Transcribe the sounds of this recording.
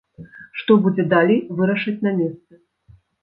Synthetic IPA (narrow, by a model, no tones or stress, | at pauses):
ʂt̪ɔbud͡zʲɛd̪alʲejvɨɾɐʂɐt͡sʲnɐmʲest̪sɨ